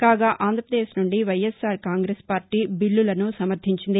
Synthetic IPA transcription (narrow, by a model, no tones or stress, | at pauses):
kaːɡaːʔaːnd̪ʱɾɐpɾɐd̪eːʃnuɳɖiʋɐjesːaːɾkaːŋɡɾeːspaːɾʈiːbiɭːulɐnusɐmɐɾd̪ʱiɲt͡ʃind̪i